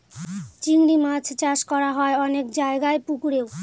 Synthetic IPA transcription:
t͡ɕiŋɽimad͡ʑʰt͡ɕaʃkɔɾaɦɔeɔnekd͡ʑaeɡaepukuɽew

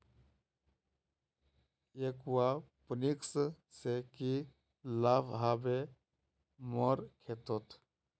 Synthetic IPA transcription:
ekwapəniksseki | labɦabe | mɔɾkʰet̪ɔt̪ʰ

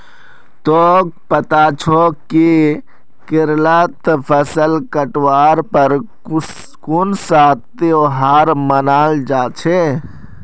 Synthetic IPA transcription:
t̪ok̚pət̪at͡ʃʰoki | kɪɾlət̪pʰəsəlkəʈwaɾpəɾ | kunsat̪eoɦaɾmənaːld͡ʒaːt͡ʃʰe

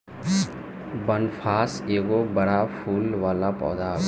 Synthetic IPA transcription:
bənpʰaːseːɡobəɽapʰuːlʋaːlapɔ̰ːd̪aː

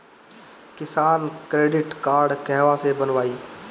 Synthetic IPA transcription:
kɪsaːnkɾeːɖɪʈkaːɾɖkɛɦʋasebənʋaːiː

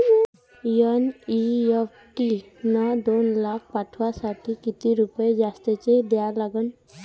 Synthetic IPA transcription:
jəniep | ʈi | nad̪onlakʰpaʈʰuwasaʈʰikit̪iɾupɔed͡ʒast̪et͡ʃed̪ɛjalaɡɔn

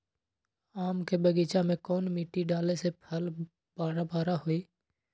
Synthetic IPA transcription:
aːmkebəɡiːt͡ʃamẽkɔːnmiːʈiɖaːlesepʰəl | baːɾabaːɾaɦoiː

